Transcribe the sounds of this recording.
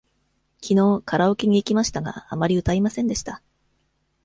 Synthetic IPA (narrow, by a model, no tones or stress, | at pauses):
kʲʰino̞ːkaɾaokʲeɲ̟iːkʲimaɕi̥t̪aɡa̰ːmaɾʲiɯ̟t̪aimasẽ̞nd̪e̞ɕi̥t̪a